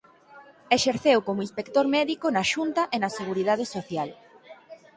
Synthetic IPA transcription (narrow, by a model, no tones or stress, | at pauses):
eʃeɾθewkomʊinspekt̪oɾmɛðikonɐʃunt̪ɐʔenɐseɣ̞uɾið̞að̞esoθjal